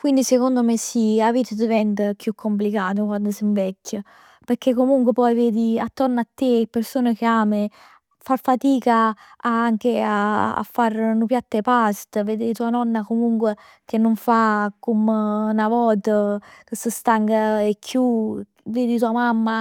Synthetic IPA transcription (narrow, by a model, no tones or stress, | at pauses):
kwind̪isekond̪omesiavit̪əd̪ivɛnt̪əkjukʰːomp̬likaːt̪̬okwand̪osiɱvɛkːə | peɾkːekːomuŋkwepɔjveːd̪iat̪ːoɾnat̪ːepːeɾsoːnek̟eaːme | farfat̪iːkaaaŋkeaa̰fːaɾnupjat̪ːepast̪əveːd̪et̪uːanɔnːakomuŋkwe | k̟enːoɱfakumnavɔːt̪əkəsːəst̪aŋɡaekʰːju | veːd̪it̪uːamamːa